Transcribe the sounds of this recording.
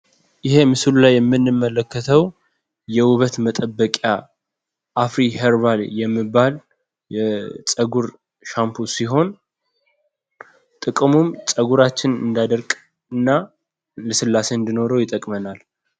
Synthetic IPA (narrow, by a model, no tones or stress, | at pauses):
ʔɪhe̞mɨsɨlulajːɛmːɨnːɨmːələkːət̪ʰəw | jɛwʊβət̪mət̪ʼəbːəkʼja | ʔːfɾiheɾβaljɛmːɨbːal | jɛt͡sʼəɡuɾ | ʃampʰusiɦo̞n | t̪ʼɨkʼɨmumt͡sʼəɡuɾat͡ʃːɪnɨ̰nd̪ad̪əɾkʼ | ɨnːa | ləsɨlːase̞ɨnd̪ino̞ɾəwjɪt̪ʼːəkʼmənal